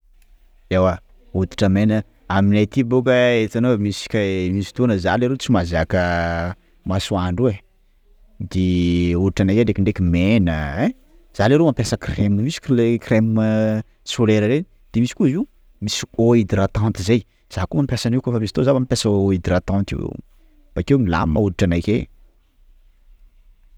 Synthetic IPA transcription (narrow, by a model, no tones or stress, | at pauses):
ewa | ut̪i̥ʈ͡ʂəmenə | aminajt̪ibukəet̪anomisi̥kʲamisi̥t̪onəzaleɾet͡simazakə | masuaɳɖ͡ʐue | d̪euɾiʈ͡ʂanakeɳɖ͡ʐekiɳɖ͡ʐekʲimenəe | zaleɾemampjasəkremnmisi̥klekrem | soleɾəɾe | d̪̥emisi̥kuizi | misioid̪iɾat̪ãnt̪izej | z̥akumampjasanikofamisit̪ozavamipjasəid̪iɾat̪ãnt̪ḭ | b̥akewnila̰mma̰uɾiʈ͡ʂanajke